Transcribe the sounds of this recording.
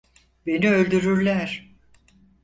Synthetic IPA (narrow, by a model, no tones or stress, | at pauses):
be̞niø̞lʲd̪yɾyɾlʲæɾ̥